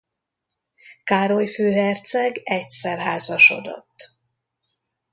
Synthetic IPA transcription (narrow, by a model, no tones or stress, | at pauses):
kaːɾo̞jføːɦɛrt̪sɛɡɛcsɛrɦaːzɒʃo̞̰d̪o̰t̪ː